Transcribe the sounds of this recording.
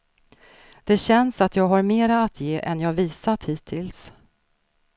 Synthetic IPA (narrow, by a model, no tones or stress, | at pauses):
d̪̥ɛɕɛnsat̪jɑːɡɦaɾmeːɾaːt̪ʰjeːʔɛnjɑːviːsat̪hiːt̪ʰːɪls